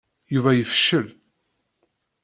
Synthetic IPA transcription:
juvæjəfʃəl

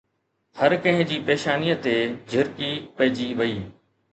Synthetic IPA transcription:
hɐɾkɐ̃ɦɪ̃d͡ʑiːpeːʃaːniːət̪ed͡ʑʱʊɾkipɐɦɪd͡ʑiʋɐiː

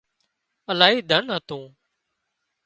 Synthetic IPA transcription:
əlaːɦiːd̪ʱənɦət̪ũː

